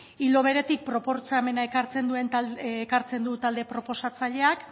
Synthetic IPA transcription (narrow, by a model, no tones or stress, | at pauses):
ilo̞βe̞ɾe̞t̪ik̚pɾo̞po̞ɾt͡same̞naekaɾt͡se̞nd̪ue̞nt̪ekaɾt͡se̞nd̪ut̪ald̪e̞pɾo̞po̞sat͡saʎe̞ak